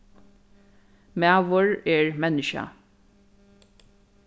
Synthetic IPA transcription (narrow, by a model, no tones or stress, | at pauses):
mɛaʋəɹeːɹmɛnəʃə̰